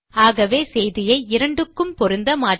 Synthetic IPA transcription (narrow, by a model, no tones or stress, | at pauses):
aːɣɐʋeːsɛjðɪjɐɪɪɾɐɳɖɯkːɯmpɔɾɯnd̪ɐmaː